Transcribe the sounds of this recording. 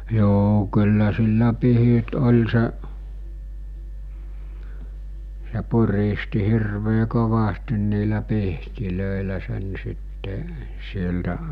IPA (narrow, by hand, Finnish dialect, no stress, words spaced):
joː kylːæ silːæ pihit olʲ seʔ se puristi hirʋeː koʋɑstin niːlæ pihtiløˑelæ sen sitːe sieltæ